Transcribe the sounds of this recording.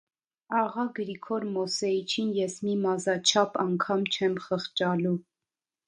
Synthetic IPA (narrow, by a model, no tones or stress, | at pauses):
ɑʁɑɡəɾikʰɔɾmɔsɛit͡ʃʰinjɛsmimɑzɑt͡ʃʰɑpɑŋkʰɑmt͡ʃʰɛmχəχt͡ʃɑlu